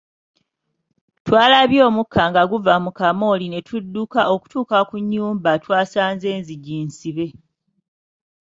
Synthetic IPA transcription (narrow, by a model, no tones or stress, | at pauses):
twaːlaβjo̞ːmukʰːaŋɡaɡuvamukamo̞line̞tʰudːukaʔo̞ku̥tuːkakuɲːuːmbatwaːsaːnze̞ːnziɟiːnsiβe̞